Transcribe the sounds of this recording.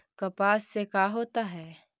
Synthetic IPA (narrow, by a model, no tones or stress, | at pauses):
kɐpaːsːekaːɦoːt̪aɦɛː